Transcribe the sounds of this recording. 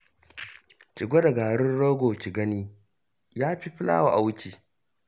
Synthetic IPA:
t͡ʃɪ˨ɡʷo˦da˨ɡaː˨ɽɪ˦nɽoː˦ɡʷoː˨t͡ʃi˨ɡɐ˦niː˦ | jaː˦ɸi˦ɸɪ˦la̰ː˦wa˨ʔa˨wʊ˦t͡ʃiː˨

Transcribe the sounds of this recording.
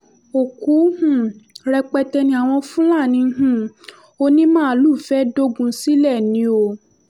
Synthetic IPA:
o˨ku˨˦hũ˦˨ɾɛ˧k͡pɛ˧tɛ˧nĩ˧a˨w̃ɔ̃˧fũ˦la˦˨nĩ˧˦ɦũ˦˨ | o˧nĩ˦mãː˦˨˦lu˦˨fɛ˦do˦ɡũ˧si˦lɛ˦˨nĩ˨˦o˧˨

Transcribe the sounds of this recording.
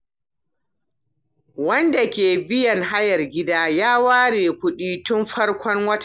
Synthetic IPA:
wɐ˦nda˨kʲeː˨bɪ˦jɐ˨ŋɦa˦jɐ˨rɡʲɪ˦daː˦jaː˦waː˦ɽeː˨kʷʊ˦ɗiː˦tʊ˦mɸɐ˦rkʷɔ˦ŋwɐ˦t

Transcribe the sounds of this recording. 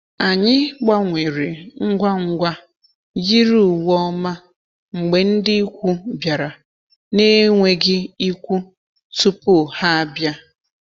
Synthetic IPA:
a˨ɲɪ˦ɡ͡ba˦ŋʷe˨ɾe˨ŋ̩˦ɡʷa˦ŋ̩˦ɡʷa˦ | ji˦ɾu˨wɔ˦ma˦ | ŋ͡m̩˨ɡ͡be˨n̩˦dɪ˦i˦kʷu˦bja˨ɾa˨ | ne˦ŋʷe˨ɡɪ˦i˦kʷu˦ | tu˦pʊ˦˨ha˦a˦bja˦

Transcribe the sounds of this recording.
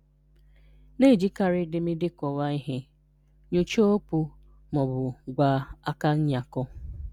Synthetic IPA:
ne˦˨d͡ʒi˦ka˨ɾɪ˦dɪ˨mɪ˦dɪ˦kɔ˨wa˦i˦ɦɪ˦ | ɲo˦t͡ʃo˦o˦pu˦ | mɔ˨bʊ˨ɡʷa˨˦a˦ka˦ɲ̩˦ɲa˨kɔ˦

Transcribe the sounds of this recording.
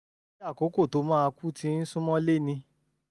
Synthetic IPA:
a˦˨ko˨˦ko˦˨to˨˦mãː˦˧ku˦tĩ˧˦n̩˦sũ˦mɔ̃˦le˦˨nĩ˧

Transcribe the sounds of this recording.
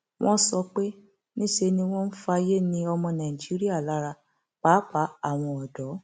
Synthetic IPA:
w̃ʔɔ̃˦sɔ˧k͡pe˦ | nĩ˦ʃe˧nĩ˧w̃ɔ̃˦n̩˦fa˧je˦nĩ˧ɔ˧mɔ̃˧nã˨i˨d͡ʒi˦ɾi˦a˦˨la˨˦ɾa˧ | k͡pa˨˦k͡pa˨˦a˨w̃ɔ̃˧ɔ˨dɔ˨˦

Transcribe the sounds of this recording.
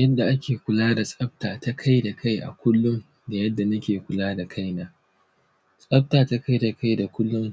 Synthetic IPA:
jɐ˦dːa˨ʔa˦kʲeː˨kʷʊ˨laː˦da˨sʼɐ˦b̚taː˨ta˦kʰa˦jda˨kʰa˦jʔa̰˨kʷʊ˦lːʊ˦ŋ | da˨jɐ˦dːa˨nɐ˦kʲeː˨kʷʊ˨laː˦da˨kʰa˦jnaː˦ | sʼɐ˦b̚taː˨ta˦ka˦jda˨kʰa˦jda˨kʷʊ˦lːʊ˦ŋ

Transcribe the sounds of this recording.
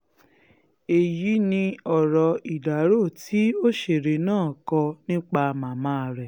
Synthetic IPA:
e˨ji˨˦nĩ˧ɔ˨ɾɔ˨˧i˨da˨˦ɾo˦˨tʰi˦o˦ʃe˨ɾe˨nãː˦˨kɔ˧nĩ˦k͡pa˧mã˨mãː˦˧ɾɛ˨

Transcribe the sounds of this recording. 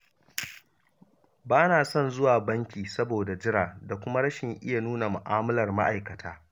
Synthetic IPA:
baː˦naː˨sɔ˦˨nzʊ˦waː˨bɐ˦ŋkʲiː˨sɐ˦boː˨da˨d͡ʒɪ˦ɽaː˨da˨kʷʊ˦ma˦ɽɐ˦ʃɪ˨ŋʔɪ̰˦ja˨nuː˦na˨mʊ˨ʔaː˦mɐ˦lɐ˨rma̰˦ʔa˨jkɐ˨tʰaː˦

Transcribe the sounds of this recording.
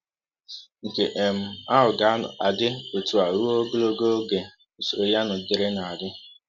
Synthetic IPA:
ŋ̩˨ke˨ʔe˨m̩˦a˦ɦʊ˨ɡa˨a˦nʊ̰˨a˨dɪ˦o˨tu˨a˨ɾu˦o˦o˦ɡo˦lo˦ɡo˦o˦ɡe˨ | o˨so˨ɾo˨ja˦nʊ˨dɪ˨ɾɪ˦na˨a˨dɪ˦

